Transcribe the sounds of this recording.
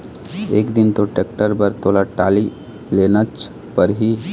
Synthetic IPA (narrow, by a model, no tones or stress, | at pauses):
ḛːkd̪ɪnt̪oʈeːk̚ʈəɾbəɾt̪oːlaʈaːli | lenət͡ʃ | pəɾɦi